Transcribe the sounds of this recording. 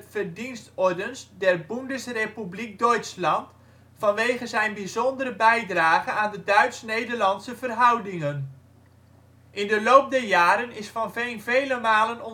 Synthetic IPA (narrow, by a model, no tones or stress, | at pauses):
v̥ərdinstɔɹdənsdɛrbundəsrepyblik̚dɔɥtslɑnt | fɑnʋejχəzɛjnbizɔndəɾəbɛjdraːχənaːndədœɥtsnejdəɹlɑnsəvərɦʌwdɪŋən | ʔɪndəlowp̚dɛɹjaːɾənɪsfɑnvejnvejləmaːlənɔ